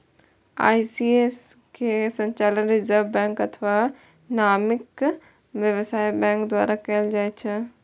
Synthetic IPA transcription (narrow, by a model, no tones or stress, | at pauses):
a̰ːisies | kʰesɐ̃ɲt͡ʃaːlənɾɪzəɾʋbɛ̃ːŋkɐt̪ʰəʋa | naːmɪk | ʋjɐʋsaːibɛ̃ːŋkd̪wa̰ːɾakɐld͡ʒaːet͡ʃʰɪ